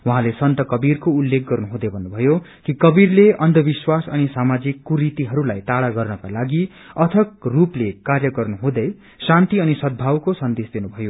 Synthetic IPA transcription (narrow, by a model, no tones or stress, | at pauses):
wuɦãlesʌnt̪ʌkʌbirkoulːek̚ɡʌrnuɦũd̪ʌbʱʌnːubʱʌjo | kikʌbirleʌnd̪ʱʌbiswasʌnisamad͡zikːuɾit̪iɦʌɾulajt̪aɽaɡʌrnʌkalaɡi | ʌt̪ʰʌkruplekarjʌɡʌrnuɦũd̪ʌj | sãnt̪iʌnisʌd̪̚bʱawkosʌnd̪esd̪enubʱʌjo